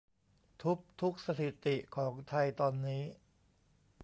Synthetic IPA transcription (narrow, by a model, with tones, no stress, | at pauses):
t̪ʰu˦˥k̚t̪ʰu˦˥k̚sa˧t̪ʰi˨˩t̪i˨˩kʰɔː˩˦ŋt̪ʰa˧jt̪ɔː˧nːiː˦˥